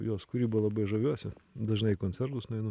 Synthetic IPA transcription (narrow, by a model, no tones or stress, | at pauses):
joːskʊɾʲiːbɐlˠɐbɐɪʒɐʋʲuɔsʲɪd̪ɐʒnɐɪkonʲt͡sʲɛrt̪ʊsnʊɛɪnʊ